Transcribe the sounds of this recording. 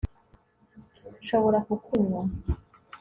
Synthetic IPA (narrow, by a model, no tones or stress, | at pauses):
ʃoβoɾakukʰuɲwa